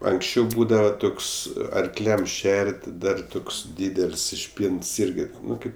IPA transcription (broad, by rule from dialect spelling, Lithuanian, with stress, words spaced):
ɐŋksʲˈt͡ʃʲɛʊ ˈbuːdɐʋɐ ˈtoːks ɐrkˈlʲɛm ˈʃʲɛrʲtʲ ˈdɐr ˈtoːks ˈdʲiːdʲɛlʲsʲ ɪʃʲˈpʲiːnts ˈɪrʲɡʲɪ ˈnʊ ˈkɐɪp